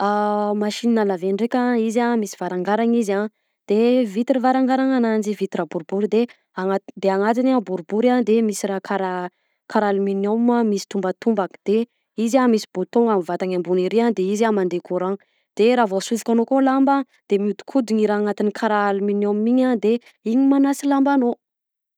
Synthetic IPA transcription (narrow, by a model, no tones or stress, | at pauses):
amaʃininalaveɳɖ͡ʐekʲaizamisi̥vaɾaŋɡaɾaŋiza | d̪̥evit̪iɾivaɾaŋɡaɾaŋanand͡ʒivit̪iɾabuɾubuɾid̪e | aŋad̪eaŋat̪inabuɾubuɾand̪emisiɾakʰaɾa | kaɾaluminomamisi̥t̪umbət̪umbakd̪̥e | izamisi̥but̪oŋamvat̪aŋambuniɾiand̪eizamand̪ekʰuɾaŋ | d̪̥eɾavosuvi̥kʲanokolamba | d̪̥emud̪u̥kʰud̪iŋiɾaːŋat̪inikʰaɾalminommiɲand̪e | iɲimanasilambano